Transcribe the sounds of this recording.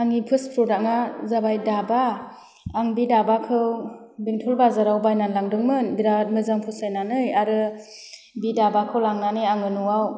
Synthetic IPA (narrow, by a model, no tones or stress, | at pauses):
aŋipʰɯspʰɾɔdaŋazabajdabaː | ŋbidabakʰɯw | biŋtʰulbazaɾawbajnanlaŋdɯŋmɯnbiɾat̚mɯzaŋpʰusajnanɯjaɾɯ | bidabakʰɯwlaŋnaneaŋɯnuwaw